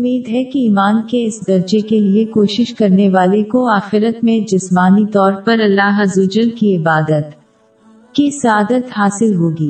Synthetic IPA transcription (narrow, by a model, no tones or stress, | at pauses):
ʊʊmːiːd̪ɦɛkiiːmaːnkeɪsd̪ɐɾd͡ʒekeliekoːʃɪʃkɐɾneʋaːlekoaːxɪɾət̪mẽd͡ʒɪsmaːnit̪ɔːɾpɐɾɐlːaːɦɐzʊd͡ʒənkiɪbaːd̪ət̪ | kisɐaːd̪ət̪ɦaːsɪlɦoːɡiː